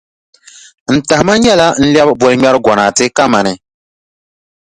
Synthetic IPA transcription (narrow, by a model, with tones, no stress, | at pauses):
n̩˨ta˨hma˦ɲɛ˦la˦n̩˦ljɛ˦bbɔ˨lɨ˦ɲɛ˦ɾɨ˦ɡɔ˨naː˨tɨ˦ka˦ma˨nɨ˨